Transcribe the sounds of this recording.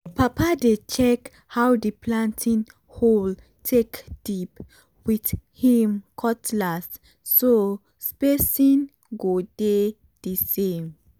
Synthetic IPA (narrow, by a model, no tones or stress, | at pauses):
papadet͡ʃɛk | hawdiplãntʰĩn | hol | tʰekd̥ip | withĩmkʰɔtlasː | o | spesĩn | ɡode | d̥isẽm